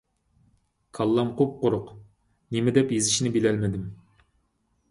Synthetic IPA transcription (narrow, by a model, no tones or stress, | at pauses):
kʰɑlˠːɑmqʰop̚qoɾʊq | nemɪd̪ɛpjezɪʃnɪbelɛlmɪd̪ɪm